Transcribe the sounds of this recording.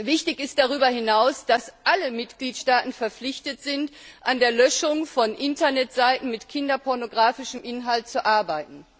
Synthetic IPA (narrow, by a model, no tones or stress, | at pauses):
vɪçtɪçɪst̚d̥aʁyːbɐɦɪnaʊsd̥asʔaləmɪtɡ̥liːtʃtaːtn̩fɛɐflɪçtətz̥ɪntʔandeːɐlœʃʊŋfɔnʔɪntɐnɛtz̥aɪtn̩mɪtkʰɪndɐpʰɔɐnoɡʁaːfɪʃəmʔɪnɦalt̚t͡suʔaɐbaɪtn̩